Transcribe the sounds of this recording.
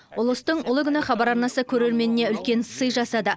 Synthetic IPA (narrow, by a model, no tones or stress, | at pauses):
ʊlˠəst̪əɴʊlˠəkʲʏnɪχɑbɑɾɑɾnɑsəkʲʰɵɾe̞ɾme̞nɪne̞ʏlkʲe̞nsəjʒɑsɑd̪ə